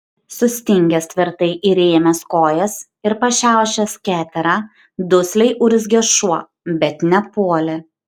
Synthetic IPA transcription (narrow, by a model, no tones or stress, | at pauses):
sʊsʲt̪ʲɪŋʲɡʲɛst̪ʲʋʲɪɾt̪ɐɪʔiɾʲeːmʲɛskoːjɛs | ɪɾpɐʃʲæˑʊʃʲɛskʲæːt̪ʲɛɾɑː | d̪ʊsʲlʲɛɪʔuɾʲɪs̬ɡʲɛʃuɔ | bʲɛt̪nʲɛpuɔlʲɪ